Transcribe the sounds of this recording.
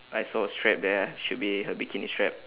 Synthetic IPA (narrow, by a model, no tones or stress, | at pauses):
ʔajsɔəstɹɛp̚d̪ɛʃut̚biɦəbikʰinistɹɛp̚